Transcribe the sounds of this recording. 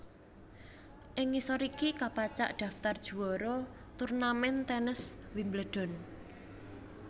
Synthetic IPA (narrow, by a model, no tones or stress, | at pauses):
ʔɪŋːisɔɾikikapat͡ʃa̰ʔd̪̥ä̤ft̪ard̥ʒ̥ṳwɔɾɔ | t̪urnamɛnt̪ɛnəswimbləɖ̪̥ɔ̤n